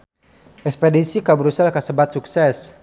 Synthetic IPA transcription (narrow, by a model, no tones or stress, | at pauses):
ʔɛkspedisikabəɾusalkasəbat̪̚suksɛs